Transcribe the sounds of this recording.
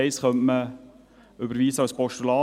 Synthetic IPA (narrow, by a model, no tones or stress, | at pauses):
ɛɪsχœmtmə | ʏbəɾʋiːsəɑspɔʃtylɑː